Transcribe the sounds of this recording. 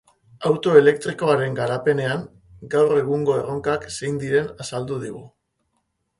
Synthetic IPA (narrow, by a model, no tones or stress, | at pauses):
awt̪o̞e̞le̞k̚t̪ɾiko̞aɾe̞ŋɡaɾape̞ne̞aŋ | ɡawre̞ɣ̞uŋɡo̞e̞ro̞ŋkakse̞jnd̪iɾe̞nasald̪uðiɣṵ